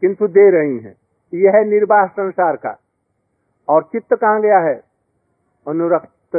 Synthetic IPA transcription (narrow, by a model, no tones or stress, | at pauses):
kɪ̃nt̪ʰud̪eɾɐɦiɦɛ̰̃ː | jeɦɛnɪɾbaːsə̃nsaːɾka̰ | ɔːɾt͡ʃɪt̪ːəkãːɡɐjaɦɛ | ɐnuɾəpt̪